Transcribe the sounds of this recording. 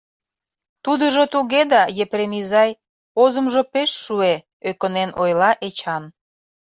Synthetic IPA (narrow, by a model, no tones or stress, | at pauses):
t̪ud̪əʒot̪uɣed̪ɑjepɾemizɑj | ozə̆mʒŏpeʃːue | økə̆nenojlɑʔet͡ɕɑn